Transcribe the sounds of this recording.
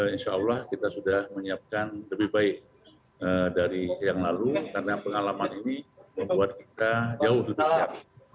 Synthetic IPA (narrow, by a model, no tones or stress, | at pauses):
inʃaːwlahkit̪asudahməɲiap̚kanləbɪhbaɪk̚ | ədaɾijaŋlalukarnapəŋalamaniniməmbuat̪̚kit̪ad͡ʒaʊhləbɪhap